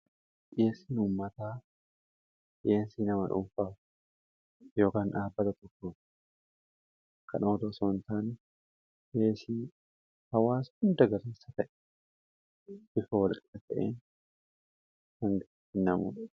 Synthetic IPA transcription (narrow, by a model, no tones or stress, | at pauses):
ʔʔeːsiːnʊmːɐt̪aː | ʔeːnsiːnɐmɐᶑʊ̰ɱfaːf | jo̞ːkaːnᶑaːbːɐt̪ɐt̪ɔkːo̥ː | kɐ̰noːd̪osoːnt̪aːn | eːsi | hɐwaːshʊnd̪ɐɡɐɾeːsɐt̪ɐʔɛ̥ | b̥ɪfɐwɐlkʼɛɐt̪ɐʔḛːn | hɐŋɡɐ | hɪnːɐmṵːᶑɐ